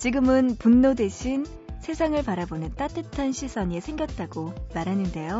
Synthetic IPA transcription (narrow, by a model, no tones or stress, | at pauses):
t͡ɕiɡɯmɯnpunːodwe̞ɕʰin | sʰe̞sʰaŋɯɭpaɾabonɯnt͈at͈ɯtʰanɕʰisʰʌɲesʰe̞ŋɡjʌt̚t͈aɡomaɾɦanɯnde̞jo